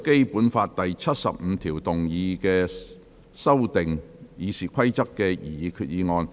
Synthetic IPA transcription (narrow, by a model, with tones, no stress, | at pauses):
ke˥jpuː˨˥nfaː˧t̚t̪ɐ˨jt͡sʰɐ˥t̚sɐ̰˨p̚m̩ː˨˧t̪ʰiː˨˩wt̪ʊ˨ŋjiː˧kɛː˧ | sɐ˥wt̪ɪ˨ŋjiː˨˧siː˨˩kʰɐ˥jt͡sɐ˥kːɛː˧jḭː˨˩iː˨˧kʰyː˧t̚jiː˧ŋɔː˧n